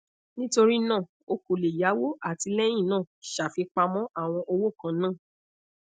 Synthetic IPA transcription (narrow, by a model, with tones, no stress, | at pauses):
nĩ˦to˧ɾi˦nãː˦˨ | o˧ko˨le˨ja˨˦wo˦a˦˨ti˧lɛ˦j̃ĩ˦˨nãː˦˨ʃa˨fi˧k͡pa˧mɔ̃˦ʔa˦˨w̃ɔ̃˧ʔo˧wo˦˨kã˨˧nãː˦˨